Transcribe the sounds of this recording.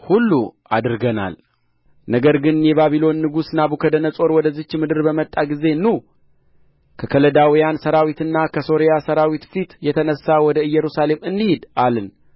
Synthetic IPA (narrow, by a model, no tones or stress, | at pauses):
hulːuʔad̪ɨɾɡəna̰l | nəɡəɾɡɨnjɛβaβilo̞nːɨɡusnabukʰəd̪ənəsʼo̞ɾwɔd̪əzːɨt͡ʃːmɨd̪ɨɾbəmət̪ʼːaɡize̞nːu | kʰəkʰələd̪awijansəɾawit̪ɨnːakʰəso̞ɾijasəɾawit̪fit̪jɛt̪ʰənəsːawɔd̪əɨjɛɾusale̞mɨnd̪ihɪd̪alɨn